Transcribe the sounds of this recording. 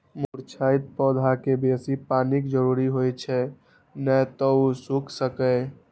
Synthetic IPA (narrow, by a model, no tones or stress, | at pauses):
muɾt͡ʃʰait̪̚pɔd̪ʱakebesipanikd͡ʒəɾuɾiɦojt͡ʃʰɛ | nət̪ɔusukʰsəkə